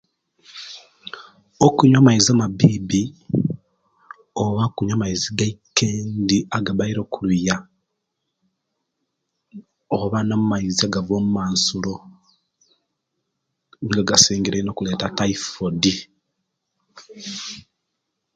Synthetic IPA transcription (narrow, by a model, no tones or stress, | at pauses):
okuɲamaizamabiːbi | oβakuɲamaiziɡaikːeːndiaɡaβaiɾo̞ːkuluja | oβanamumaiziaɡavoːmumaːnsulo | ɡaɡaseːŋɡeɾeino̞ːkule̞ːtataifodi